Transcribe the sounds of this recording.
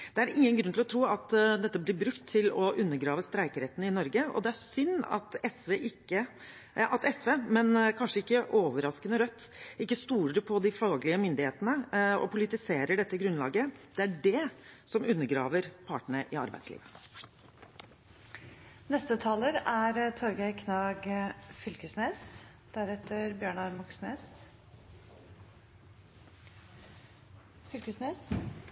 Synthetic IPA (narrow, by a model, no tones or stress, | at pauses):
d̪̥ɛæɾɪŋːənɡɾʉnt̪lɔt̪ʰɾuːɑt̪d̪ɛt̪ːəblɪɾbɾʉkt̪ʰːɪlɔʔʉnːəɡɾɑːʋəst̪ɾæɪkəɾeːt̪nəɪnɔɾɡəɔ̰d̪ɛæɾsʏnːɑ̰t̪ɛsʋeʔɪkːə | ʔɑt̪ɛsʋeːmɛnkʰɑnʂəɪkːəʔoːʋəɾɑskənəɾœt̪ːɪkːəst̪uːɾəɖɛpʰɔd̪ɪfɑːɡlɪəmʏnd̪ɪheːt̪ənəɔ̰pʰʊlɪt̪ɪseːɾəɖɛt̪ːəɡɾʉnlɑ̰ːɡəd̪̥ɛæɖɛsɔmʔʉnːəɡɾɑːʋəɾpʰɑːʈəɳəʔɪɑ̰ɾbæ̰ɪd̪slḭːʋə | nɛst̪ət̪ʰɑːləɾæɾt̪ʰɔɾɡæɪkʰnɑːɡfʏlkəsneːs | d̪̥æɾɛt̪ʰːəɾbjøːɳɑɾmɑksneːs | fʏlkəsneːs